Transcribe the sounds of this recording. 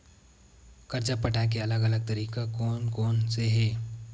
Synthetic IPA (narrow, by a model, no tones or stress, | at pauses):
kɐɾt͡ʃapəʈak̬eɐləɡəɐləɡ̚t̪ɐɾiːkakoːnkoːnseɦɛː